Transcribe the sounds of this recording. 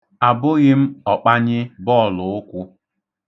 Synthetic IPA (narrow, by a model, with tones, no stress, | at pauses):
a˨bʊ˦ɣɪ˦m̩˦ɔ˨k͡pa˦ɲɪ˦bɔ˦˨lʊ˨ʊ˦kʷʊ˦